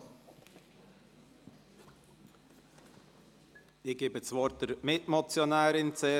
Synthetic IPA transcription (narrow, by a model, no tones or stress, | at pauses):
ɪɡ̥eːbəsvɔɾt̚d̥əɾmɪtmɔt͡sjonaːɾɪnt͡se